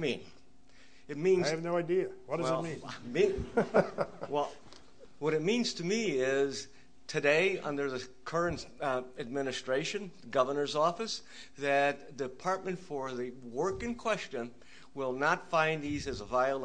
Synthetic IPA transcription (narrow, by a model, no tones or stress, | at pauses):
mĩn | ɨt̚mĩnɨvnoʊaɪdiɨwʌtdʌɨlˠmĩnmĩn | wɛlˠ | wʌɾɨt̚mĩnz̥tʰɨmiɪz̥ | tʰɨdeɪʌ̰̃ndə˞ðɨ | kʰɜ˞ɨ̃ntɨd̚mɪnɨstɹ̥eɪʃɨ̃n | ɡʌvə˞nə˞zɔfɨs | ðɨt̪̚ðɨpʰɑɹt̚mɨ̃ntfə˞ðɨwɜ˞kɨ̃nkʰw̥ɛst͡ʃɨ̃n | wɪlˠnətfãɪ̃nizɨzəvaɪəlˠ